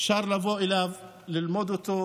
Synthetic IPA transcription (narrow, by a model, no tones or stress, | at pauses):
ʃaɾˤlavoʔɪlav | lɪlmod̪ot̪o